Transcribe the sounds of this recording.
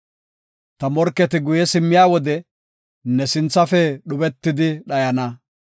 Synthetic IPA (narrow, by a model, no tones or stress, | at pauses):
t̪ɐmɔɾkːɛt̪ɪɡʊjɛsɪmːɪjaːwɔd̪ɛ | nɛsɪnt͡sːɐfɛɗʊbɛt̪ːɪd̪ɪɗɐjɐnɐ